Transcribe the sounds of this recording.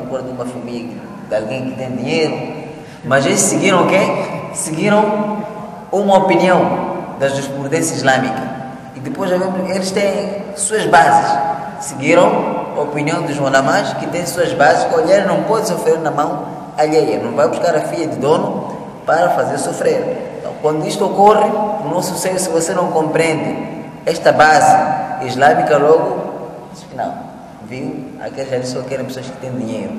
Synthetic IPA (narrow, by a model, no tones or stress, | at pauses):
kuɾɐd̪umɐfɐmiʎɐɐ | d̪alɡẽj̃kɪt̪ẽj̃d̪iɲejɾu | mɐzelɪʃsiɡiɾɐ̃w̃kesiɡiɾɐ̃w̃ | umɐopiniɐ̃w̃d̪ɐzd̪iʃpɾud̪ẽsjɐiʒlãmikɐ | id̪ɨpojzavemuelɪʃt̪ẽj̃ | suɐzbaziʃ | siɡiɾɐ̃w̃ɐopiniɐ̃w̃d̪uʒwãlamãʃkɪt̪ẽj̃suɐzbaziʃkõaʎejɐnɐ̃w̃pɔd̪ɪsofɾeɾnɐmɐ̃w̃ | ɐʎɛjɐnɐ̃w̃vajbuʃkaɾɐfiʎɐd̪ɪd̪õnu | paɾɐfazeɾsofɾeɾẽnt̪ɐ̰̃w̃kwɐ̃nd̪uiʃt̪uokorɪunõw̃susɛbisɪvosenɐ̃w̃kõmpɾẽnd̪ɪ | ɛʃt̪ɐbazɪiʒlamikɐlɔɡu | fina̰l | viwa̰kelʒad̪isokɛɾẽj̃psoɐʃkɪ̥t̪ẽj̃d̪iɲejɾu